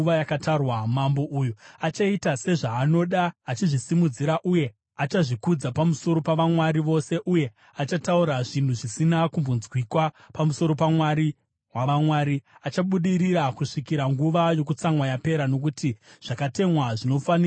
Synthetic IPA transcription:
ajakatarwamambo̞ʔuːjuat͡ʃaitase̞ʐaːno̞ɗaːt͡ʃiʐisimud͡ziɾaʔuje̞ | at͡ʃaʐikud͡zapamuso̞ɾo̞paʋamwaɾiʋo̞se̞ʔuje̞ | at͡ʃatauɾaʐin̤uʐisinakumbonzwikwa | pamuso̞ɾo̞pamwaɾi | waʋamwaːɾiat͡ʃaɓuɗiɾiɾakuʂikiɾaŋɡuʋajo̞k̬ut͡samwajape̞ɾano̞k̬utiʐ̥akate̞mwaʐino̞fani

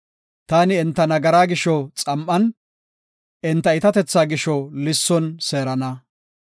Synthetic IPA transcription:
t̪aːnɪɛnt̪ːɐnɐɡɐɾaːɡɪʃɔt͡sʼɐmʔɐn | ɛnt̪ːɐɪt̪ɐt̪ɛt͡sːaːɡɪʃɔlɪsːɔnse̞ːɾɐnɐ

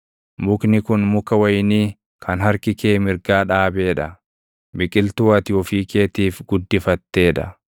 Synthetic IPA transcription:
mʊknɪkʊnmʊkɐwɐjniː | kʰɐnɦɐɾkɪkeːmɪɾɡaːᶑaːbe̞ːᶑɐ | bɪkʼɪlt̪uːɐt̪ɪɔfiːkeːt̪iːfɡʊd̪ːɪfɐt̪ːe̞ːᶑɐ

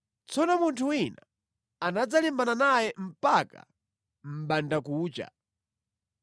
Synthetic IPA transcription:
t͡sɔnɔmuntʰuwina | anad͡zalimbananajɛm̩paka̰ | m̩ɓandakuːt͡ʃa̰

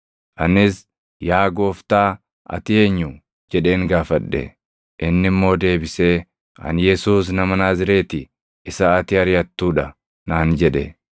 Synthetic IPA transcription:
ʔɐnɪs | jaːɡo̞ːft̪aː | ʔɐ̰t̪ɪe̞ːɲːʊ | d͡ʒɛᶑe̞ːŋɡaːfɐɗːɛ̰ | ʔɪnːɪmːo̞ːd̪e̞ːbɪse̞ː | ɐ̰njɛsuːs̬nɐmɐnaːzɪɾe̞ːt̪ɪ | ɪsaɐt̪ɪɐɾɪjɐt̪ːuːᶑɐ | naːnd͡ʒɛᶑɛ̰

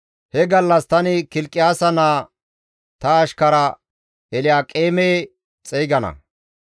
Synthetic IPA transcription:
hɛɡɐlːɐst̪ɐnɪkɪlkʼːɪjaːsɐnaː | t̪ɐːʃkɐɾɐ | ɛlɪjaːkʼeːmeː | t͡sʼɛjɡɐnɐ̰

